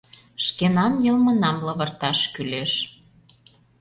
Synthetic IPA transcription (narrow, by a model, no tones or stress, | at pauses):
ʃkenɑnjɤlmə̆nɑmlɤ̆βə̆rt̪ɑʃkyleʃ